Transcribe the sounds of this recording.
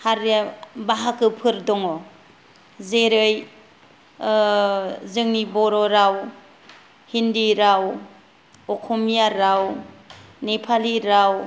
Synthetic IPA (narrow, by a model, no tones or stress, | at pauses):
haɾjabaɦakɯpʰɯɾdɔŋɔ | zeɾɯj | zɯŋnibɔɾɔɾaw | hindiɾaw | ɔkʰɔmijaɾaw | nepʰaliɾaw